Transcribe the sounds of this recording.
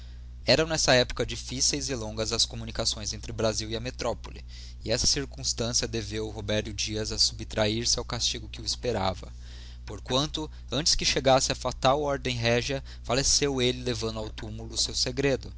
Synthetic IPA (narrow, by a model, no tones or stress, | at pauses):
ɛɾɐ̃w̃nɛsɐɛpʊ̥kɐd͡ʒifisejzɪlõŋɡɐzɐskomunikasõj̃zẽnt̪ɾɪbɾaziwiɐmet̪ɾɔpoli | ɪɛsɐ̥siɾkũst̪ɐ̃siɐd̪evewɦobɛɾt̪ʊd͡ʒiɐzɐsubt̪ɾʔaiɾsɪawkast͡ʃiɡʊkɪʊispeɾavɐ̰ | poɾkwɐ̃nt̪ʊ | ɐ̃nt͡ʃɪ̥skɪʃeɡasɪɐfat̪awɔɾd̪ẽj̃ɦɛʒɐ | falesewelɪlevɐ̃nd̪ʊawt̪umulʊsewseɡɾed̪ʊ